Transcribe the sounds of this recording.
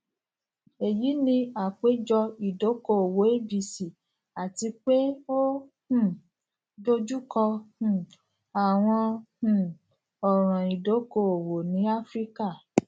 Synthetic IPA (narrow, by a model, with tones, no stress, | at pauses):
e˨ji˨˦nĩ˧a˨k͡pe˨˦d͡ʒɔ˧i˨do˨˦ko˦˨o˨wo˨˦e˦bi˨si˨ | a˨ti˧k͡pe˦o˦ | hũ˦˨ | do˦d͡ʒu˦kɔ˧hũ˨ | a˨w̃ɔ̃˧hũ˨ | ɔ˨ɾ̃ã˨i˨do˨˦ko˦˨o˨wo˨nĩ˨˦a˦fɾi˦ka˦˨